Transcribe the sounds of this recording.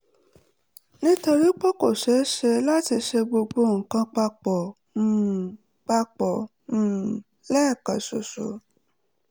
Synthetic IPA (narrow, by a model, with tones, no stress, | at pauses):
nĩ˦to˧ɾi˦k͡pɔ˦ko˦˨ʃɛ˨˦ʃɛ˧la˦ti˧ʃɛ˧ɡ͡bo˧ɡ͡bo˧˦ŋ̩˨kã˧k͡pa˧k͡pɔ̃˨˦˨ | k͡pa˧k͡pɔ̃˨ | lɛ˦˨ka˨so̰˨so̰˨˦